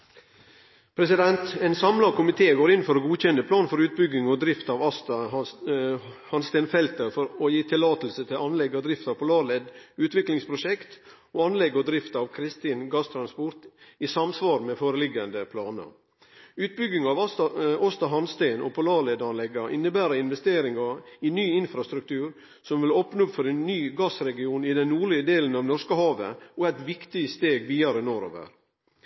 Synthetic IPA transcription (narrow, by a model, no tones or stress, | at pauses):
pʰɾɛsɪd̪ɛnt̪ɛːnsɑmlɑkʰʊmɪt̪ʰeːɡoːɾɪnfɔɾoɡuːc͡çɛnːəpʰlɑːnfɔɾʉːt̪̚bʏɡɪŋɔd̪ɾɪft̪ɑːʋɑst̪ɑ | hɑnst̪ɛɪnfɛlt̪əɾfɔɾojiːt̪ʰɪlɑːt̪l̩sət̪ʰɪlɑnlɛɡɔd̪ɾɪft̪ɑːʋpʰʊlɑːɭɛːd̪ʉːt̪ʋɪklɪŋspʰɾʊʃɛkt̪ | oːɑnlɛɡːɔd̪ɾɪft̪ɑːʋkʰɾɪst̪iːnɡɑst̪ʰɾɑnspʊɾt̪isɑmsʋɑːɾmeːfoːɾəlɪɡɑnd̪əpʰlɑːnə̰ | ʉːt̪̚bʏɡɪŋɑʋɔst̪ɑɦɑnst̪æɪno̰ːpʰʊlɑːlɛd̪ɑnlɛɡɑʔɪ̰nːəbæːɾɑɪnʋɛst̪eːɾɪŋɑɪnyːɪnfɾɑst̪ɾʉk̚t̪ʰʉːɾ | sɔmʋɪlɔpnɔpfɔɾɛnːyːɡɑsɾɛɡɪuːnɪd̪ɛnnuːɭɪəd̪eːlən̩ɑːʋnɔʂkəhɑːʋə̰oæɪt̪ʋɪkt̪ɪst̪eːɡʋiːɑɾənoːɾo̰ːʋə̰ɾ